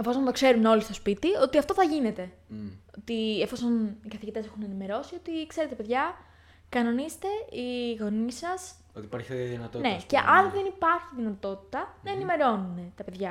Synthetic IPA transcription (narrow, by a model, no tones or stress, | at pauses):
efoont̪o̞kse̞ɾuno̞list̪o̞spit̪io̞t̪iɐft̪o̞θɐʝine̞t̪e̞ot̪iefo̞sonikɐθiʝit̪e̞se̞xune̞nime̞ɾo̞sio̞t̪ikse̞ɾet̪pe̞ðʝɐ | kɐno̞nist̪e̞iɣo̞nisɐs | ot̪ipɐɾçeɐðinɐt̪one̞ce̞ʔɐnðe̞nipɐɾçiðinɐt̪o̞t̪i̥t̪ɐnɐenime̞ɾo̞nune̞t̪ɐpe̞ðʝɐ